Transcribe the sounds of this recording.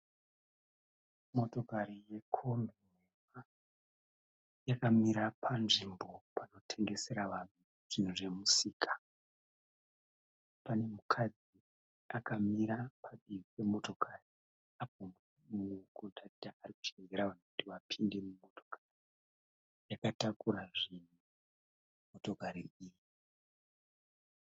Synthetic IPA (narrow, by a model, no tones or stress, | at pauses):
mo̞to̞kaɾije̞kʰo̞mbimwema | jakamiɾapʰanʐimbo̞pano̞tʰe̞ŋɡe̞se̞ɾaʋan̤u | ʐ̥in̤uʐe̞musiːkḁ | pane̞mukʰad͡zi | akamiɾapʰaɓiipe̞mo̞to̞kʰari | apom | mukutaidaariku̥t͡ʃeeɾaʋan̤okutiʋapʰinde̞mumo̞to̞̥kʰari | jakatakuɾaʐin̤u | mo̞to̞kaɾiiːji